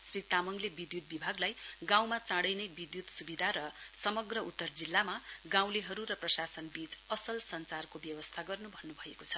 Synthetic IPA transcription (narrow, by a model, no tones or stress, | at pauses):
srit̪amʌŋlebid̪jut̪̚bibʱaɡlajɡãw̃mat͡sãɽʌjnʌbid̪jut̪subid̪ʱaɾʌsʌmʌɡrʌut̪ːʌrd͡zilːamaɡãw̃leɦʌɾurʌprʌsasʌnbit͡sʌsʌlsʌnt͡sarkobjʌwʌst̪ʰaɡʌrnubʱʌnːubʱʌekot͡sʰʌ